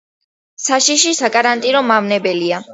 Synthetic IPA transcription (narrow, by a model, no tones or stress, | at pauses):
saʃiʃisakʼaɾant̪ʼinɔmavnɛbɛlia